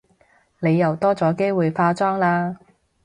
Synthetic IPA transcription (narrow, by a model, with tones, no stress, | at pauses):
ne˨˧jːɐ˨˩wt̪ɔː˥t͡sɔː˨˥ke˥jwuː˨jfaː˧t͡sɔː˥ŋlaː˧